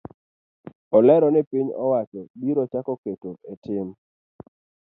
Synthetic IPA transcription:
ɔlɛɾɔnɛpiɲɔ̰wat͡ʃɔbiɾɔt͡ʃakɔketoetɪm

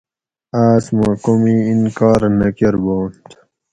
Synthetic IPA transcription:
aːsmãkomiinkaːɾnɐkeɾboːnt̪

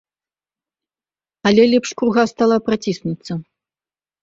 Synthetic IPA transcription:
ɐlʲɛlʲɛpʂkɾuɣast̪alˠapɾat͡sʲisnut̪sːɐ

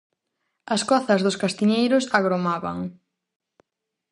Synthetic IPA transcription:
ɐskɔθɐzðʊskast̪iɲejɾʊsaɣɾomaβɐ̰ŋ

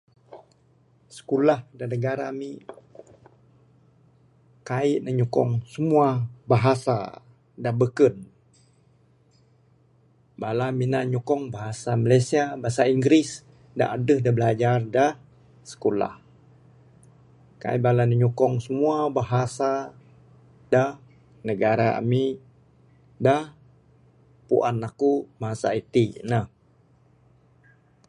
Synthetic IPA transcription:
sə̥kulahdanəɡaɾami | kaiʔnəɲukɔ̰ŋsəmuabaɦasa̰ | dabəkən | balaminaʔɲukɔŋbaɦasamalasiabaɦasaiŋɡɾis | da̰ʔadəhdahbəlad͡ʒardah | sə̥kola̰h | ka̰jbalanəɲukɔŋsəmuabaɦasa | dah | nəɡaɾaa̰mi | dah | pṵʔa̰nlakubaɦasa̰it̪inah

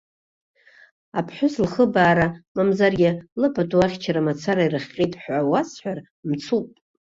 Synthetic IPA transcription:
apʰħʷᶣʊslχəbaːɾamamzarɡʲɪlɨpʼaduaχʲt͡ʃʰaɾamat͡sʰaɾairɨχʲqʲʼitʼħʷawasħʷᶣar | mt͡sʰupʼ

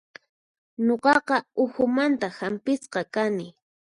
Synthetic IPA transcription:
ɲoqɑqɑʊxʊmant̪ahampɪsqɑkanɪ

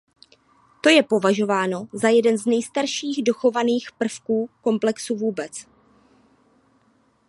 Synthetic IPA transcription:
t̪o̞jɛpo̞vaʒo̞vaːno̞zajɛdɛnznɛjst̪aɾʃiːɣdo̞xo̞vaniːxpr̩fkuːko̞mplɛksuvuːbɛt͡s

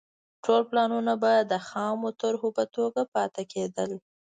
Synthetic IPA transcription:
ʈolplɑnunabɑjad̪ːəxɑmot̪ʊɾɦopət̪oɡapɑt̪akʰed̪əl

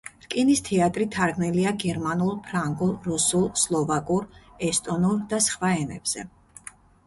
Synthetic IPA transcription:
ɾkʼinist̪ʰɛat̪ʼɾit̪ʰaɾɡniliaɡɛɾmanulˠpʰɾaŋɡulˠɾusulˠslˠɔvakʼuɾɛst̪ʼɔnuɾd̪asχwaɛnɛ̰b̥z̥ɛ̰

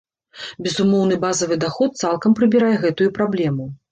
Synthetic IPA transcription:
bʲɛzumɔwn̪ɨbazɐvɨd̪axɔt̪̚t̪salˠkɐmpɾɨbʲiɾajɛɣɛt̪ujupɾablʲɛmu

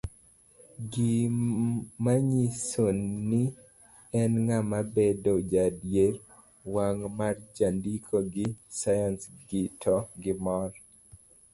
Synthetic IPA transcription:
ɡi | maɲisonːɪ | ɛnŋamabedod͡ʒadjeɾ | waŋmard͡ʒandikʰoɡɪsajansɡitʰɔɡɪmɔr

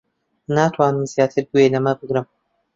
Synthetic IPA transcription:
naːt̪ʰwaːnɨmzijaːt̪ʰɨɾɡuelɐmɐbɨɡɾɨm

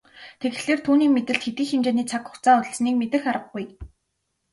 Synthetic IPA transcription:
t̪ʰeɣ̆ɮeːrt̪ʰuːniːmet̪ɘ̆ɬt̪xet̪iːxemt͡ɕeːniːt͡sʰakʊ̥xt͡saːŋɵ̥sniːkmet̪ɘ̆xaɾə̆ɡɡuj

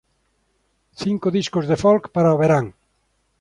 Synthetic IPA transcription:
θiŋkʊðiskʊzðefɔlkpaɾaoβeɾaŋ

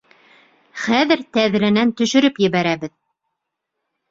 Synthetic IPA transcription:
χæðɘɾt̪æð̆ɾænænt̪ɵ̆ʃɵ̆ɾɵpjɘ̆βæɾæβɘð

